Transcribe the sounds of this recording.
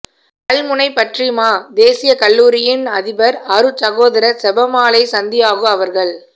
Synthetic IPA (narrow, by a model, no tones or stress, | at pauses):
kɐlmʊnɐɪpɐʈrimaːd̪eːsɪjɐkɐlːuːɾɪjɪnɐðɪbɐɾɐɾɯt͡ʃɐɣoːðɐɾɐsɛbɐmaːɭɐɪsɐnd̪ɪjaːɣɯmɐʋɐɾɣɐɭ